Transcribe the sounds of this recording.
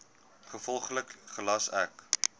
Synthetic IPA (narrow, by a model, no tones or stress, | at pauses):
χəfɔlˠχləkχəlɐsɛ̰k